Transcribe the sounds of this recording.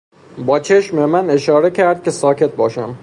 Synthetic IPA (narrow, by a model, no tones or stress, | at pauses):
bɒːt͡ʃʰeʃmemæne̞ʃɒːɾe̞cʰæɾd̪̥̚cʰʲe̞sɒːcʰe̞t̪̚bɒːʃæm